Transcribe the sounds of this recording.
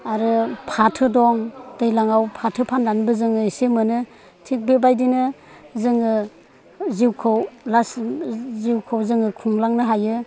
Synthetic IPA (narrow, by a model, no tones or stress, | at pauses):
aɾɯpʰatʰɯdɔŋd̥ɯjlaŋawpʰatʰɯpʰandanbɯzɯŋɯisemɯnɯ | tʰik̚bebajdinɯ | zɯŋɯ | ziwkʰɯwlasziwkʰɯwzɯŋɯkʰuŋlaŋnɯɦajɯ